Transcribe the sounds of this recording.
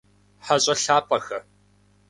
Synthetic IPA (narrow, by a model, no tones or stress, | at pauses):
ħaɕʼɐɬaːpʼɐxɐ